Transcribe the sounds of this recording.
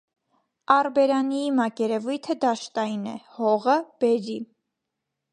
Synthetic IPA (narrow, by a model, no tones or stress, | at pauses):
ɑrbɛɾɑniimɑkɛɾɛvujt̪ʰəd̪ɑʃt̪ɑjinɛhɔʁəb̥ɛɾi